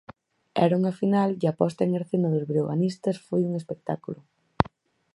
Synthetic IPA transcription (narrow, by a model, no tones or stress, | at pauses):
ɛ̰ɾuŋafinalɡapɔst̪aeŋeɾθenɐðʊzβɾioɣa̰nist̪ɐsfojuŋespek̚t̪akulʊ